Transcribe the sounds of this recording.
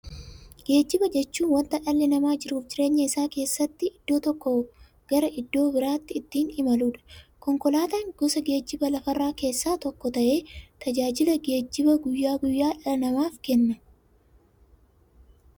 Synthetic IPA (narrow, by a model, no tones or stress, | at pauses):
ɡ̥e̞ːd͡ʒːɪbɐd͡ʒɛt͡ʃːuːnwɐnt̪ɐᶑɐlːɪnɐmaːd͡ʒɪɾuːfd͡ʒɪɾe̞ːɲːɐɪsaːke̞ːsːɐt̪ːɪʔɪd̪̥ːo̞ːt̪ɔkːɔ | ɡ̥ɐɾɐʔɪd̪ːo̞ːbɪɾaːt̪ːɪːt̪ːiːnɪmɐluːᶑɐ̥kɔŋkɔlaːt̪aːŋɡ̥ɔsɐɡe̞ːd͡ʒːɪbɐlɐfɐrːaːke̞ːsːaːt̪ɔkːɔt̪ɐʔe̞ːt̪ɐd͡ʒaːd͡ʒɪlɐɡe̞ːd͡ʒːɪbɐɡʊjːaːɡʊjːaːᶑɐnɐmaːfkɛnːɐ